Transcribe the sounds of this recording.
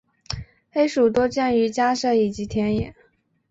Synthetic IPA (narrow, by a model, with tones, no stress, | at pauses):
xe˥ɪʂu˨˩t̪̬o˥ʊt͡ɕja˥˩ny˧˥t͡ɕja˥ʂɤ˥˩i˨˩t͡ɕi˧˥t̪ʰjɛ˧˥njɛ˨˩˦n